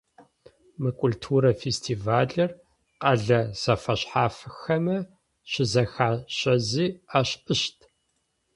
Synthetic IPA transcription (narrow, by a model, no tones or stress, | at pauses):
mɨkʷʼʊltʰuːɾɐfestʰiːvaːɮɐr | qʼɐɮɐz̥ɐfɐɕħaːfɨxɐmɐ | ɕɪzɐxaːɕʼɐziːaːɕʔɨɕtʰ